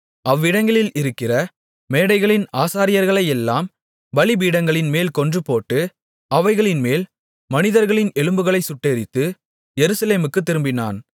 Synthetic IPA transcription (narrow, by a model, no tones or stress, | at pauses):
ɐʋːɪɽɐŋɡɐɭɪlɪɾɯkːɪrɐ | meːɽɐɪɣɐɭɪnaːsaːɾɪjɐɾɣɐɭɐɪɛlːaːm | bɐɭibiːɽɐŋɡɐɭɪnmeːlkɔndrɯpoːʈːɯ | ʔɐʋɐɪɣɐɭɪnmeːl | mɐnɪðɐɾɣɐɭɪnɛɭɯmbɯɣɐɭɐɪsʊʈːeːɾɪt̪ːɯ | jɛɾɯsɐleːmɯkːɯt̪ːɪɾɯmbɪna̰ːn